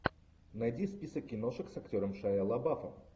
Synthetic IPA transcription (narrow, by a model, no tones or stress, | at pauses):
nɐjdʲispʲisəkʲːɪnoʂɨksɐktʲoɾəmʂajalˠɐbafəm